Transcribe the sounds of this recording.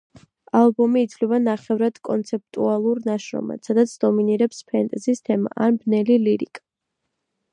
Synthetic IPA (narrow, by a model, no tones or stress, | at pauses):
alˠbɔmiːt̪sʰvlɛbanaχɛvɾad̪̥kʼɔnt̪sʰɛp̚t̪ʼualˠuɾnaʃɾɔ̰ma̰̥sad̪at̪sʰd̪ɔminiɾɛpspʰɛnt̪ʼɛzist̪ʰɛma̰ʔanbnɛliliɾikʼḁ